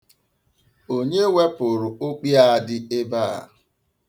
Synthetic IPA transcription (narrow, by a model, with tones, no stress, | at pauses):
o˦ɲe˦we˦pʊ˨ɾʊ˨o˦k͡pi˦a˦˨dɪ˦e˦baː˦˨a̰˨